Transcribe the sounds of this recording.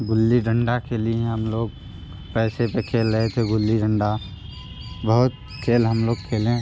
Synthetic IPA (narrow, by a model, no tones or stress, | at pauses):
ɡʊlːiɖəɳɖakʰelieɦəmloːɡ | pɛːsepekʰeːlːəɦet̪ʰeɡʊlːiɖəɳɖa | bəɦʊt̪̚ | kʰeːlɦəmloːɡ̚kʰeːlẽ